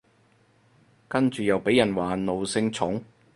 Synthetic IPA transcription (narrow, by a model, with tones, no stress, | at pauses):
kɐ˥nt͡ʃyː˨jɐ˨˩wpe˨˥jːɐ˨˩nwaː˨no˨wsɪ˧ŋt͡sʰʊ˨˥ŋ